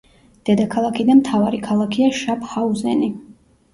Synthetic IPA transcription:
d̪̥ɛd̪akʰalˠakʰid̪amt̪ʰavaɾikʰalˠakʰiaʃap̚ʰχauzɛ̰ni

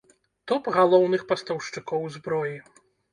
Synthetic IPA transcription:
t̪ɔpɣalˠɔwnɨxpɐst̪ɐwʂt͡ʂɨkɔwzbɾɔji

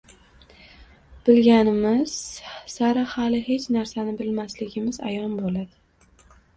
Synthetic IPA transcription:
b̥ɪlɡʲanɪmɪz̥saɾahalɪhe̞t͡ʃnaɾsanɪbɪlmaslɪɡʲɪmɪza̰jɒnbolad̪ɪ

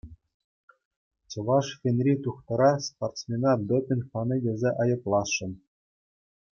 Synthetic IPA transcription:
t͡ɕɤ̆ʋɑʂxʲenʲrʲit̪uχt̪ɤ̆ɾɑsport̪smʲenɑd̪opʲɘnʲχɑnʲɤjʲɘ̆zʲeʔɑjɤ̆plˠɑsːɤ̆n

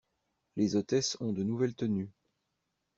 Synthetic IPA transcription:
lezot̪ɛsɔ̃d̪ənuvɛlt̪əny

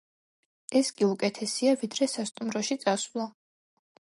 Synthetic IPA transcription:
ɛskʼiukʼɛt̪ʰɛsiavid̪ɾɛsast̪ʼumɾɔʃit̪sʼasvlˠɔ

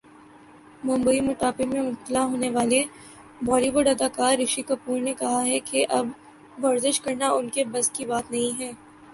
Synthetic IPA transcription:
mʊ̃mbəimʊʈ̪aːpɪmẽmʊb̚t̪ɪlaɦoːneʋaːle | bɔːɾiʋoːɖɐd̪aːkaːɾːɪʃikɐpuːɾnekɐɦaɦɛkeʔɐb | ʋɐɾzɪʃkɐɾnaʔʊnkebɐzkibaːt̪nɐɦĩɦɛː

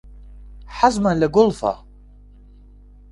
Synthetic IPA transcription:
ħazmalaɡʊlfa̰

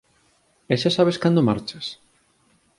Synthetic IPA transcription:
eʃasaβeskand̪omaɾt͡ʃɐs

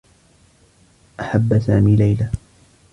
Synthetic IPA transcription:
ʔaħabːasaːmiːlajla

